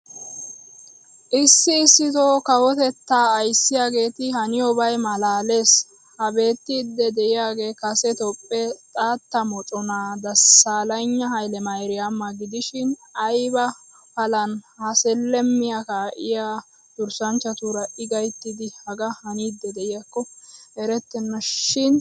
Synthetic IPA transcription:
ʔɪsːɪːsːɪt̪oːkɐwɔt̪ɛt̪ːaːjsːɪjaːɡe̞ːt̪ɪhɐnɪjɔbɐjmɐlaːle̞ːs | hɐbe̞ːt̪ːɪd̪ːɛd̪ɛʔɪjaːɡe̞ːkɐsɛt̪ɔpʼːɛt̪ʼaːt̪ːɐmɔt͡ʃʼɔnaːd̪ɐsaːlɐjɲːɐhɐjlɛmɐjɾɪjamːɐɡɪd̪ɪʃɪnɐjbɐ | pɐlɐnhɐsɛlːɛmːɪjɐkaːʔɪjaː | d̪ʊɾsɐnt͡ʃːɐt̪uːɾɐʔɪɡɐjt̪ːɪd̪ɪhɐɡɐhɐnid̪ːɛd̪ɛʔɪjɐkːɔɛɾɛt̪ːɛnːɔʃɪn

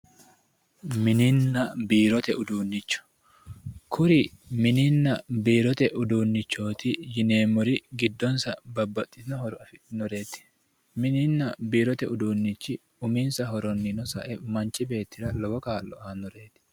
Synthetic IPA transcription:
mɪnɪnːɐbiːɾɔt̪ɛʊd̪uːnːɪt͡ʃːɔ̥ | kʰʊɾɪmɪninːɐbiːɾɔt̪ɛʔʊd̪uːnːɪt͡ʃːo̞ːt̪ɪjɪne̞ːmɔɾɪɡɪd̪ːɔnsɐbɐbːɐt̪ʼːɪ̥t̪ɪnɔhɔɾʊɐfɪnɔɾe̞ːt̪ːɪ̥ | mɪnɪnːɐbiːɾɔt̪ɛʊd̪uːnːɪt͡ʃːɪ | ʊminsɐɦɔɾɔnːɪnɔsɐ̰ʔɛmɐnt͡ʃːɪbe̞ːt̪ːɪɾɐlɔɡɔkaːlːɔɐnɔɾe̞ːt̪ɪ̥

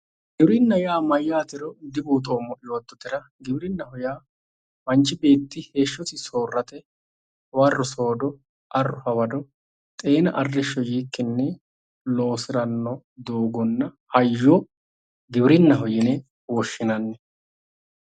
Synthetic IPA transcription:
ɡɪbɾɪnːɐjaːmɐjːaːt̪ɪɾɔd̪ɪbuːt̪̬oːmɔʔɪjoːt̪ːɔt̪ɪɾɐ | ɡɪbɾɪnːɐhʊjaː | mɐnt͡ʃːɪbe̞ːt̪ːɪhe̞ːʃːɔt̪ɪso̞ːrːɐt̪ɛ | wɐrːɔso̞ːd̪ɔ | ʔɐrːʊhɐwɐd̪ɔ | t̪ʼe̞ːnɐʔɐrːɪʃːɔjiːkːɪnːɛ | lo̞ːsɪɾɐnːɔ | d̪oːɡɔnːɐ | hɐjːɔ | ɡɪbɪɾɪnːɐɦɔjɪnɛ | wɔʃːɪnɐnːɛ

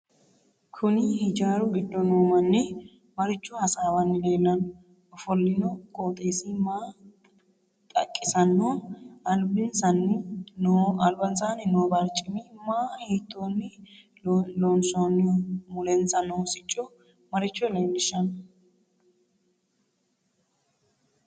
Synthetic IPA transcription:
kʰʊnɪhɪd͡ʒaːɾʊɡɪd̪ːɔnoːmɐnːɪ | mɐɾɪt͡ʃːʊhɐsaːwɐnːɪleːlːɐnɔ | ɔfɔlːɪnɔkʼoːt̪ʼeːsɪmaː | t̪ʼɐ̰kʼːɪsɐnːɔɐlbɪnsɐnːɪnoɐlbɐnsanɪnoːbɐɾt͡ʃʼːɪmɪmaːhiːt̪ːoːnːɪ | loːnsonːɪmʊlɛnsɐnoːsɪt͡ʃʼːɔ | mɐɾɪt͡ʃːɔlenːɪʃɐnɔ

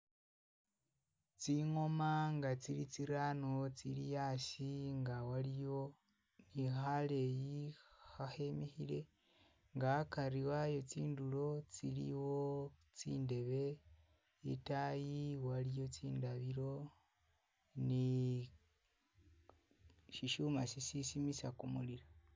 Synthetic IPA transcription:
t͡siŋo̞maŋɡat͡silit͡siɾano̞t͡silijasiŋɡawalijo | nixale̞jihahe̞mexile̞ | ŋɡakaɾiwajo̞t͡siːndulo̞t͡silḭwot͡sḭːnde̞βe̞ | itajiwalijo̞t͡siːndaβiɾo̞ | ni | ʃiʃumasisisimisakumuliɾa

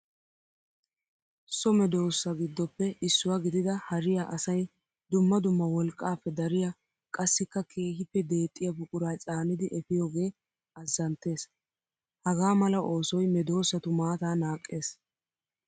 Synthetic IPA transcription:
sɔmɛd̪o̞ːsːɐɡɪd̪ːɔpːɛʔɪsːʊwaɡɪd̪ɪd̪ɐhɐɾɪjaʔɐsɐj | d̪ʊmːɐd̪ʊmːɐwɔlkʼːaːpːɛd̪ɐɾɪjɐ | kʼɐsːɪkːɐkʰe̞ːɦɪpːɛd̪e̞ːt̪ʼːɪjɐbʊkʼʊɾajt͡sʼaːnɪd̪ɪʔɛfɪjo̞ːɡe̞ː | ɐzːɐnt̪e̞ːs | hɐɡaːmɐlɐʔo̞ːsɔjmɛd̪o̞ːsːɐt̪ʊmaːt̪aːnaːkʼːe̞ːs

